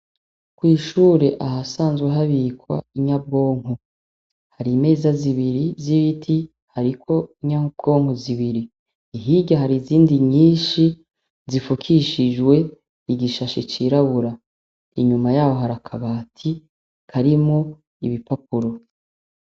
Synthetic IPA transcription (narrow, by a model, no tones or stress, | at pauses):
kwiːʃuːɾe̞ʔaɦasaːnzɡweɦaβikwa̰iɲab̚ɡo̞ːŋ̥ɦo | haɾime̞ːzaziβiɾiziβitʰi | haɾikʰo̞iɲab̚ɡo̞ːŋ̥oziβiɾiː | ɦiɟaɦaɾiziːndiɲiːʃi | zifukʰiʃid͡ʒwe̞ | iɡiʃaʃet͡ʃiɾaβuɾa | iɲumajaːho̞ɦaɾakʰaβaːtʰi | kaɾimo | ḭβipap̚uɾo̞